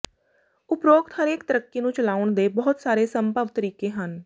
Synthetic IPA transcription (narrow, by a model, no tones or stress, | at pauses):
ʊpɾoːɡt̪həɾeːkt̪əɾəkːiːnũːt͡ʃəlaːʊɳd̪eːbɔːʊt̪saːɾeːsəmpəʋt̪əɾiːkeːɦən